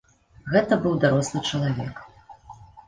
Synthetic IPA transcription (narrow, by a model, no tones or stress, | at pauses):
ɣɛt̪ɐbɨwd̪aɾɔslˠɨt͡ʂɐlˠavʲɛ̰k